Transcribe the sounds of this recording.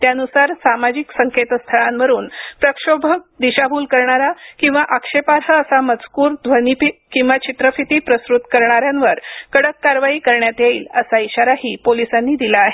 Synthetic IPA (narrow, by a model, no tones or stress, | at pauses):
t̪janusaɾsamad͡ʑiksəŋket̪st̪ʰəɭamʋəɾuːnpɾəkʂobʱəd̪iɕabʱuːlkəɾɳaɾakĩw̃ʋaʔəkʂepaɾɦəəsamət͡skuːɾd̪ʱʋənipikĩw̃ʋat͡ɕit̪ɾəfit̪iːpɾəsɾut̪kəɾɳaɾjanʋəɾkəɽəkːaɾʋaiːkəɾɳjat̪jeiːləsaiɕaɾaɦiːpolisanːiːd̪ilaːɦe